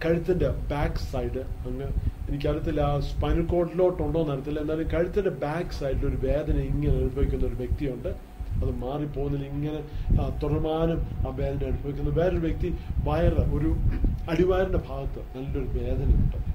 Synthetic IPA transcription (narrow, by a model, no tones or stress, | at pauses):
kɐɻut̪ːɐndebaːksɐjɖɨɐŋːɨenikʲːɐɾut̪ːilːaspɐnikːo̞ːʈːloːʈːuɳɖo̞ːnɐɽɐt̪ːilːɐend̪aːlumkɐɻut̪ːɐndebaːkɨ̥sɐjɖilo̞ɾuʋe̞ːd̪ʱɐnɐiŋːɐneɐɻubʱɐʋikʲːunːɐoɾuʋjek̚t̪ijuɳɖɨ | ɐðɨmaːripːo̞ːɣunːiliŋːɐne̞t̪urɐmaːnumaːʋe̞ːd̪ɐneɐɽubʱɐʋikʲːunːɐʋe̞ːɾoɾuʋjek̚t̪iʋɐjɐrɐo̞ɾuɐɽiʋaːɾɐnde̞bʱaːɣɐt̪ːɨnɐlːo̞ɾuʋe̞ːd̪ʱɐnɐjuɳɖɨ